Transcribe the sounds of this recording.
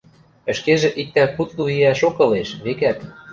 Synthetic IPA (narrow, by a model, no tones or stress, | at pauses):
ə̆ʃkeʒĕʔik̚t̪ækut̪luiæʃokɤ̆leʃβekæt̪